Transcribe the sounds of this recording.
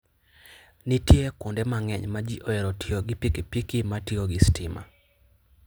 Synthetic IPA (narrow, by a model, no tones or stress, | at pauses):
nitjekondɛmaŋɛɲmad͡ʒiʔoɛɾotʰioɡipikepikimatioɡɪstɪma̰